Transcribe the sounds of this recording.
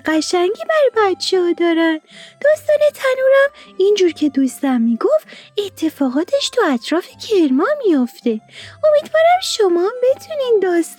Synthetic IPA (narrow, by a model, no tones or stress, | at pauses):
ɢæʃæŋɟiːbæɾbæt̪t͡ʃʰɛːd̪ɒːɾænd̪̥ɒːst̪ɒːnet̪ʰænuːɾæmind͡ʒuːɾcʰe̞d̪uːst̪æmːiːɡofet̪ʰːe̞fɒːɣɒːt̪ʰeʃt̪ʰɒæt̪ʰɾɒːfecʰeɾmɒːmijoft̪e̞omiːd̪vɒːɾæmʃomɒmbe̞t̪ʰunind̪ɒːst̪